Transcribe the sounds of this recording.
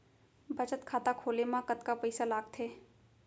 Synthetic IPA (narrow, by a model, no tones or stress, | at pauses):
bɐt͡ʃət̪kʰaːt̪akʰoːlemãkət̪kapɐɪsalaːɡ̚t̪ʰeː